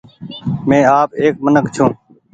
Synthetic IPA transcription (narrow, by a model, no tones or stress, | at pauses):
mẽːaːpeːk̚mənəkt͡ʃʰũː